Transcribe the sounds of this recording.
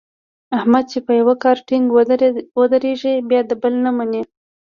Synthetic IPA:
ahmad̪̚t͡ʃepəjawakɑɾʈɪŋɡwwəd̪əɾeʒibjɑd̪əbəlnamane

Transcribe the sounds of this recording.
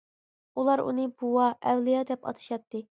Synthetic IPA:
ulˠɑɾṵnɨbuwɑʔɛwlˠijɑd̪ɛpɑ̰t̪ʰɨ̥ʃɑt̪ːɨ

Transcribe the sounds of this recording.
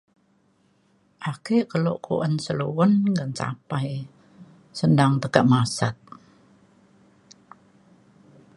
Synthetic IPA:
ʔakeʔkəlo̰ʔkʰṵʔənsəluwənŋɡənt͡ʃa̰paj | səndaŋt̪əkaʔmasat̪̚

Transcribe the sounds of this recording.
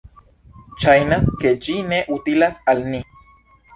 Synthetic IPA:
ʃajnaske̞d͡ʒine̞ʔutilasalni

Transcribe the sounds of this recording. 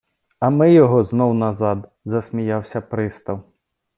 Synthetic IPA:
ɐmɪjɔɦɔznɔwnɐzɑd̪ | zɐsmʲijɑwsʲɐpɾɪst̪ɐw

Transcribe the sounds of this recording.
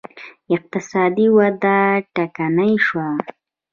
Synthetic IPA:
ɪq̚t̪ɪsɑd̪iwad̪aʈakanajʃwa

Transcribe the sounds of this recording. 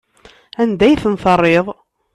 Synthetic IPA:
ænd̪æjθənθərˤːeðˤ

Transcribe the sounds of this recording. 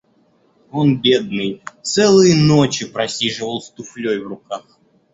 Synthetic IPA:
onbʲe̞d̪̚nɨjt̪sɛlˠɨjənot͡ɕɪpɾɐsʲiʐɨvəlˠst̪ʊflʲojvrʊkax

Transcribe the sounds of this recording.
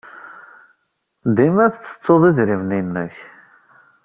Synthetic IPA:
d̪imæθt͡sːə̥t͡sːoðˤiðɾivninːæç

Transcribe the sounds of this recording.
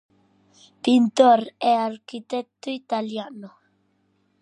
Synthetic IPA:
pint̪oɾeaɾkit̪ek̚t̪uit̪aljano

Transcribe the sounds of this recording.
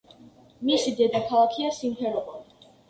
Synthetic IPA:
misid̪ɛd̪akʰalˠakʰiasimpʰɛɾɔbɔli

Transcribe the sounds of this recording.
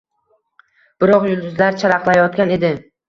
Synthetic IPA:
b̥ɪɾɒqjʊlˠd̪ʊzlaɾt͡ʃʰaɾɑqlˠajɒt̪̚kʲane̞d̪ɪ

